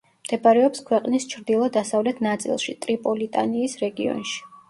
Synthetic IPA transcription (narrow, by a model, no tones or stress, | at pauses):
md̪̥ɛpaɾɛɔpskʰwɛqʼnist͡ʃʰɾd̪ilˠɔd̪asavlɛt̪ʰnat̪sʼḭlˠʃit̪ʼɾipʼɔlit̪ʼa̰niːsɾɛɡiɔ̰nʃi̥